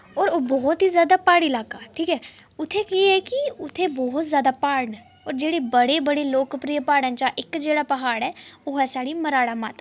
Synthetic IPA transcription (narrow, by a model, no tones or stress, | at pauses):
ɔːɾoːbɔːt̪ɦiːzjaːd̪aːpaːɽilaːkaːʈʰiːkɛːʊt̪ʰːekiɛːkɪʊt̪ʰːeːbɔːt̪zjaːd̪aːpaːɽnɛ | ɔːɾd͡ʒeːɽeːbəɽeːbəɽeːloːkpɾijəpaːɽənt͡ʃaːʔɪkd͡ʒeːɽaːpəɦaːɽɛːoːɛːsaːɽiːməɾaːɽaːmat̪